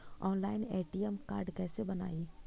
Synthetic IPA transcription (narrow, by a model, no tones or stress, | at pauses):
ɔːnlaːɪneːʈijəmkaːɾɖkɛːsebəna̰ːiː